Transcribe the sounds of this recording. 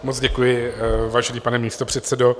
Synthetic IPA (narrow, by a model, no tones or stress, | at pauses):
mot͡sɟɛkujɪvaːʒɛniːpanɛmiːst̪o̞pr̝̥ɛt̪sɛdo